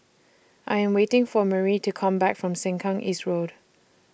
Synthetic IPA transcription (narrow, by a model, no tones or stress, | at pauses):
ʔaɪɛ̃mwetɪ̃ŋfɔməɹitʰukʰʌ̃mbækfɹɔ̃msɪ̃ŋkʰɔ̃ŋʔḭːstɹod̥